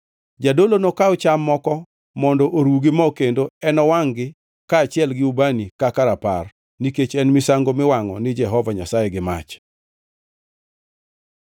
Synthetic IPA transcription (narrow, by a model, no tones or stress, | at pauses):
d͡ʒadolonokaʊt͡ʃamːɔkɔ | mɔndɔʔoɾwuɡɪmɔkendoɛnɔwaŋɡɪ | kat͡ʃɪɛlɡɪubanikakaɾapar | niket͡ʃɛnmɪsaŋɡomɪwaŋɔnɪd͡ʒɛɦɔvaɲasajɛɡɪma̰t͡ʃ